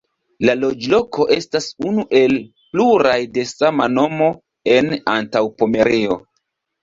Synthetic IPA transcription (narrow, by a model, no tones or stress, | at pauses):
lalo̞d͡ʒlo̞kʰo̞ʔe̞stasunuʔe̞l | pluɾajde̞samano̞mo̞ | e̞na̰ntawpome̞ɾio̞